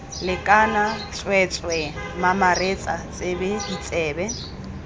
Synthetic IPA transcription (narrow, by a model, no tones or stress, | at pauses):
lɪkʼanat͡sʼwɛt͡sʼwɛmamaret͡sʼat͡sʼebedit͡sʼɛːbɛ